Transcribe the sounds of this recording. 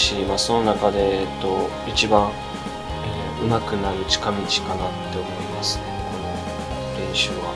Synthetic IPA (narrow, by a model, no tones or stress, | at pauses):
ɕimaːso̞no̞nakad̪e̞ːt̪ːo̞ | it͡ɕibãɰ̃ | e | ɯ̟makɯ̟naɾɯ̟t͡ɕi̥kamʲit͡ɕi̥kanat̪ːe̞o̞ɾʲɾʲimasɨ̥neko̞no̞ | ɾẽ̞ɰ̃ɕɨβa̰